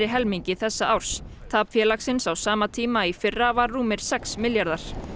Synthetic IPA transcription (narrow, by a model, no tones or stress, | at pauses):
ɾɪɦɛlmiɲcɪθɛsːaawɾ̥st̪ʰaːpfjɛːlaksɪnsawsaːmat̪ʰiːmaifɪrːavarːuːmɪɾ̥sɛksmɪljaɾðaɾ̥